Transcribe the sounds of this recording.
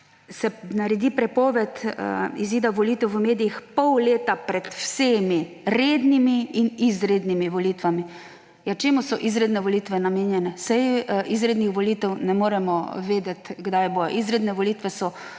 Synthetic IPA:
sɛnaɾɛd̪ipɾɛpɔːʋɛt̪iziːd̪aʋɔlit̪ɛwʋəmeːd̪ijixpɔwleːt̪apɾɛt̪wsemi | ɾeːd̪nimiinizɾeːd̪nimiʋɔlit̪ʋami | jat͡ʃeːmʊsɔʔizɾed̪nɛʋɔlit̪ʋɛnameːnjɛnɛsɛjizɾed̪nixʋɔliːt̪ɛwnɛmoːɾɛmɔʋeːd̪ɛt̪ɡd̪ajboːjɔ̰ʔizɾed̪nɛʋɔliːt̪ʋɛsɔ

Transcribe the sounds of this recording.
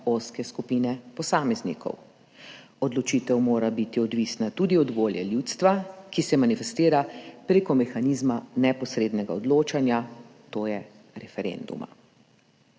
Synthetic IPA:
oːskɛskupiːnɛpɔsaːmɛznḭkɔ̰w | ɔd̪lɔt͡ʃiːt̪ɛwmoːɾabit̪iɔd̪ʋisnat̪uːd̪iɔd̪ʋoːljɛ̰ljut̪st̪ʋakisɛmanifɛst̪iːɾapɾeːkɔmɛxanizmanɛpɔsɾeːd̪nɛɡa̰ɔd̪loːt͡ʃanjat̪oːjɛ | ɾɛfɛɾḛːnd̪ṵma̰

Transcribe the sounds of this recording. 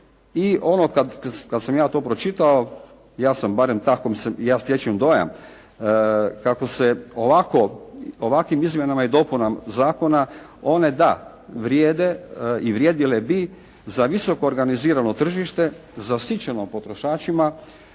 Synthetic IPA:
iʔo̞nokad̪kad̪samjaːt̪oːpɾo̞t͡ʃit̪ao | jaːsambaɾemt̪akomsejaːsjet͡ʃemd̪o̞ja̰m | kako̞seoʋako̞oʋakʋimizmje̞namaid̪opunamzaːko̞na | o̞ne̞d̪a | ʋɾjeːd̪eiʋɾjeːd̪ilebi | zaʋiso̞ko̞ːɾɡaniziːɾano̞t̪r̩ʒiʃt̪e̞ | zasit͡ʃeno̞po̞t̪ɾoʃaːt͡ʃima

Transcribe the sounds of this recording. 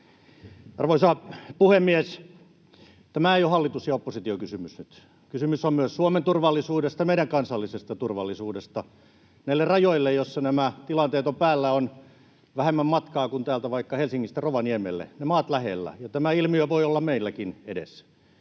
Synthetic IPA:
ɑ̰rʋoisɑpuhemːies | t̪æmæeijohɑlːit̪usjɑopːosit̪iokysymysnyt̪ | kysymysommyøssuoment̪urʋɑlːisuːdest̪ɑmeiɾæŋkɑnsɑlːisest̪ɑt̪urʋɑlːisuːdest̪ɑ | næilːerrɑjoilːejosːɑnæmæt̪ilɑnt̪eːt̪ompæːlːæon | ʋæhemːæmmɑt̪kɑːkunt̪æːlt̪æʋɑikːɑhelsiŋːist̪eroʋɑniemḛlːḛnemɑːt̪læhḛlːæ̰jɑt̪æmæilmiøʋoiolːɑmmeilːækinedḛs

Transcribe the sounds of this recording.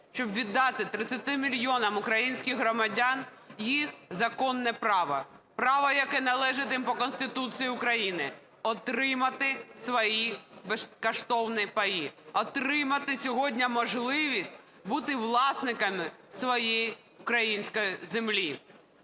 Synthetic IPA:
ʃt͡ʃɔbʋʲid̪ːɑt̪ɪt̪ɾɪt͡sʲːɐt̪ɪmʲilʲjɔnɐmʊkɾɐjinʲsʲkʲɪɣɦɾɔmɐdʲɑn | jixzɐkɔnːɛpɾɑʋɐ | pɾɑʋɐjɐkɛnɐlˠɛʒɪt̪ʲimpɔkɔnst̪ɪt̪ut̪sɨjiʊkɾɐjinɪ | ɔt̪ɾɪmɐt̪ɪsʋɔjibeskɐʃt̪ɔwnɪpɐjiɔt̪ɾɪmɐt̪ɪsʲɔɦɔdʲnʲɐmɔʒlˠɪʋʲisʲtʲ | but̪ɪʋlˠɑsnɪkɐmɪsʋɔjeji | ʊkɾɐjinʲsʲkɔjizemlʲi

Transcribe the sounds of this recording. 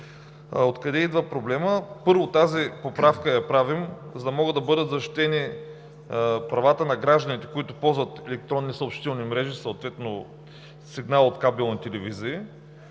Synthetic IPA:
ot̪kɐd̪ɛid̪vəpɾoblɛməpɤɾvot̪azipopɾafkəjɐpɾavimzɐd̪ɐmɔɡəd̪ɐbɤd̪ət̪zɐʃt̪i̥t̪ɛni | pɾɐvat̪ənɐɡɾaʒd̪ənit̪ɛ̥koit̪ʊpɔlˠzvət̪ɛlɛk̚t̪ɾɔnːisəopʃt̪it̪ɛlˠnimɾɛʒisot̪vɛt̪no | siɡnalˠot̪kabɛlˠnit̪ɛlɛviziː

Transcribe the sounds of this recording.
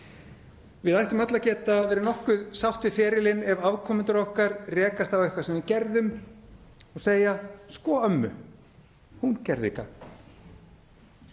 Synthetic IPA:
vɪðajht̪ʏmœt̪lacɛːt̪avɛːɾɪnɔhkʏðsawht̪ɪfɛːɾɪlɪnɛvavkʰɔːmʏnt̪ʏɾɔhkaɾrɛːkast̪awɛhkvasɛmvɪcɛɾðʏm | ɔɣseːjaskɔːœmːʏ̰ | huncɛɾðḭːka

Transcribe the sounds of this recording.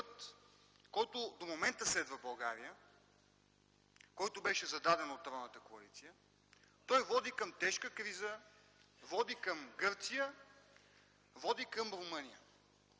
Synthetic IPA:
pt̪ | kɔjt̪ʊd̪omomɛnt̪əslɛd̪vəbɐlˠɡaɾiə | kɔjt̪ʊbɛʃɛzɐd̪ad̪ɛnot̪ːɾɔnət̪əkoɐlit̪sijə | t̪ɔjvɔd̪ikəmt̪ɛʃkəkɾizə | vɔd̪ikɐmɡɤɾt̪sijə | vɔd̪ikəmɾomɤnijə

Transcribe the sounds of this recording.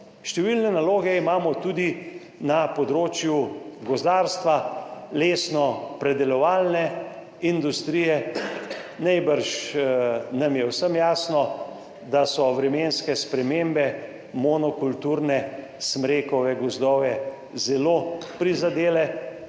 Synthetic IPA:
ʃt̪ɛʋilnɛnaloːɡɛimaːmɔt̪uːd̪i | napɔd̪ɾoːt͡ʃjuɡɔzd̪aːɾst̪ʋaleːsnɔpɾɛd̪ɛlɔʋaːlnɛ | ind̪ust̪ɾiːjɛ | najbəɾʃ | namjɛwsəmjaːsnɔ | d̪asɔʋɾɛmeːnskɛspɾɛmembɛ | mɔnɔkult̪uɾnɛ | smɾeːkɔʋɛɡɔzd̪ɔʋɛ | zɛloːpɾizad̪eːlɛ

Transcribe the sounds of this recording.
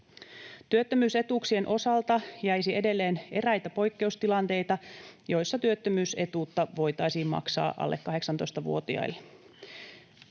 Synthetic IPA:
t̪yøt̪ːømyːse̞t̪uksie̞nʔo̞sɑlt̪ɑjæjsie̞de̞lːe̞ːne̞ræjt̪æpo̞jkːe̞ust̪ilɑnt̪e̞jt̪ɑjo̞jsːɑt̪yøt̪ːømyːse̞t̪uːt̪ːɑʋo̞jt̪ɑjsiːmmɑ̰ksɑ̰ːʔɑ̰lːʔekːɑɦe̞ksɑnt̪ojst̪ɑʋṵo̞t̪iɑ̰ilːe

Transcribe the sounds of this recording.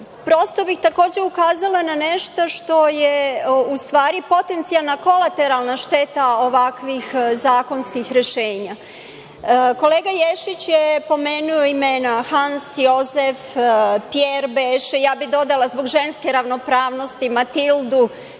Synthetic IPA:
pɾo̞st̪o̞bixt̪ako̞ːd͡ʑe̞ukaːzalˠananeʃt̪oʃt̪o̞jeust̪ʋaːɾipo̞t̪e̞nt̪sialˠnako̞lˠat̪eɾalˠnaʃt̪et̪ao̞ʋakʋixzaːko̞nskixɾeʃeːɲa | koleːɡajeʃit͡ɕjepo̞meːnujoimeːnaxansjo̞zefpjeɾbeːʃejaːbid̪o̞d̪alˠazboɡʒe̞nske̞ɾaʋnopɾaːʋno̞st̪imat̪ild̪u

